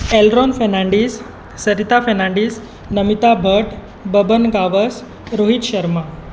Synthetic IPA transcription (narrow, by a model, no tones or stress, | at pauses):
elɾɔnfenaɳɖiːsː | əɾit̪afənãɳɖiːs | nəmit̪abʱəʈ | bəbənɡaʋəs | ɾoɦit̪ɕəɾma